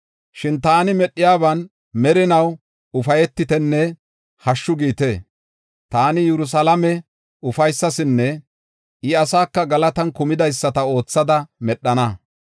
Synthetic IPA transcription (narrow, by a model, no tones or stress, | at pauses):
ʃɪnt̪aːnɪmɛɗːɪjaːbɐn | mɛɾɪnɐw | ʊfɐjɛt̪ːɪt̪ɛnːɛ | hɐʃːʊɡiːt̪eː | t̪aːnɪjɛɾʊs̬ɐlɐmɛ | ʊfɐjsːɐsɪnːɛ | ɪɐsaːkːɐɡɐlɐt̪ɐnkʊmɪd̪ɐjsːɐt̪ɐo̞ːt͡sːɐd̪ɐmɛɗːɐnɐ